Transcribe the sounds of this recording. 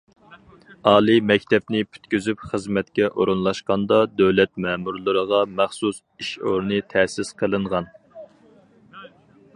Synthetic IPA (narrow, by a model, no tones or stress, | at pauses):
ɑːlˠɨmɛkʲt̪ʰɛpnɪpʰy̥t̪kʲyzypχəzmɛt̪kʲɛʔoɾɨnlˠɑʃqɑnd̪ɑd̪øwlɛt̪̚mɛːmuɾlˠɨɾəʁɑmæχsus | iʃo̰ɾnɨt̪ʰɛsɪsqʰəlˠɨɴʁɑn